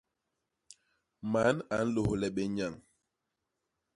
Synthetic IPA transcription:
ma˨˦na˨n̩˦lo˨hlɛ˨ɓe˦ɲa˨ŋ

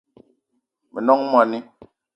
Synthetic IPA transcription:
mi˨nɔ˦ŋ˦m˦ɔ˨ni˦

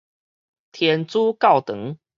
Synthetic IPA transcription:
t̪ʰjɛ˨˦nt͡su˦kɑ˥˨ʊt̪ɤ˨˦ŋ

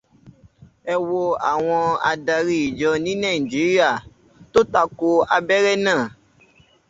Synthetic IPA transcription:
ɛ˧wo˧a̰˨w̃ɔ̃˧a̰˨da˧ɾi˧˦i˨d͡ʒɔ˧nĩ˦nã˦˨i˨d͡ʒi˨˦ɾi˦a˦˨ | to˦ta˦ko˧a˧bɛ˦ɾɛ˦nãː˦˨

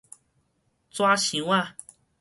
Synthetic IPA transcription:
t͡swa˦˥ɕi˨˦wa˥˧

